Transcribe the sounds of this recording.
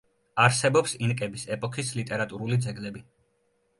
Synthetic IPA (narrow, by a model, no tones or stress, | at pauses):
aɾsɛbɔpsinkʼɛbisɛpʼɔkʰislit̪ʼɛɾat̪ʼuɾulid̪zɛɡlɛbi